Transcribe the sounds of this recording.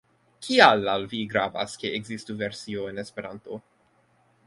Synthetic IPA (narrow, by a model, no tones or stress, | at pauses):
kʰialalviɡɾava̰skeeɡzistuveɾsioenespeɾant̪o